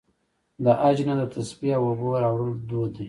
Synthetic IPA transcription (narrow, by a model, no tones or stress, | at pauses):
d̪əʔad͡ʒnad̪ət̪ʰaspiawoboɾɑwɽəld̪od̪i